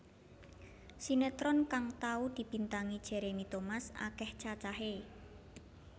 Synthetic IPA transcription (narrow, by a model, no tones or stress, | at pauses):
sinet̪ɾɔnkaŋt̪aud̪̥i̤b̥i̤nt̪aŋid̥ʒ̥e̤ɾemit̪omasa̰kɛht͡ʃat͡ʃaɦe